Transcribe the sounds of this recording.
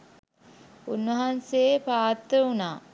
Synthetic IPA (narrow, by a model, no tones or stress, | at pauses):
unʋəɦansepaːt̪ːəunaː